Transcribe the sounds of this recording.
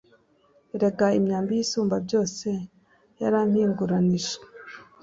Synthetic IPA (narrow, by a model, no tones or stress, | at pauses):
eɾe̞kaimɲaːmbijisuːmbabɟo̞ːse̞ | jaɾaːn̥hiːŋɡuɾaniʒa